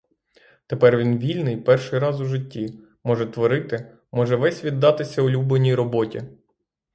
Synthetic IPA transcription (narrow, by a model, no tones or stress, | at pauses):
t̪epɛrʋʲinʋʲilʲnɪjpɛrʃɪjɾɑzʊʒɪtʲːi | mɔʒɛt̪ʋɔɾɪt̪ɪ | mɔʒɛʋɛsʲʋʲid̪ːɑt̪ɪsʲɐʊlʲublenʲijɾɔbɔtʲi